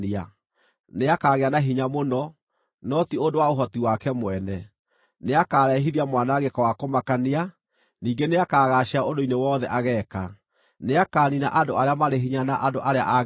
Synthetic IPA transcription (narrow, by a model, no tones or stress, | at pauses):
ia | neakaːɣeanaɦiɲamonɔ | nɔtiodowaoɦɔtiwakɛmwɛnɛ | neakaːɾɛɦiðiamwanaɣekɔwakomakania | niːɡeneakaːɣaʃaodoinewɔːðɛʔaɣɛːka | neakaːnina̰ʔadoaɾeamaɾeɦiɲanaʔadoʔaɾea̰ʔa